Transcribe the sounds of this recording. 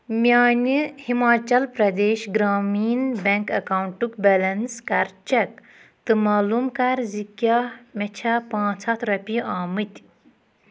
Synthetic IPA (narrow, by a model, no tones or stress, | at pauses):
mʲjaːnʲihimaːt͡ʃɐlpɾɐd̪eːʃɡɾaːmiːnbɐŋkɐkawuɳʈukbɐlɐnskɐɾt͡ʃɐk̚ | t̪ɨmaːlumkɐɾzikjamʲɛt͡ʃʰapãːt͡sʰɐt̪ʰɾɐpʲiaːmɨt̪ʲ